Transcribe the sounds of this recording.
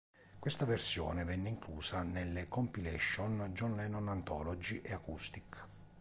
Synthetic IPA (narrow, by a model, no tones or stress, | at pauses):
kwest̪aversjɔ̰ːnevɛnːeiŋkluːsanelːekompilɛʃːɔnd͡ʒɔnlɛnɔnant̪ɔ̰ːlɔd͡ʒiʔeakust̪ik